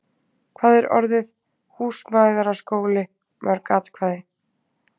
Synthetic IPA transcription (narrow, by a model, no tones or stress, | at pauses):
kʰvaːðɛɾɔ̰ɾðɪð | huːsmajðaɾaskoːwlɪ | mʔœɾkat̪kʰvaːðɪ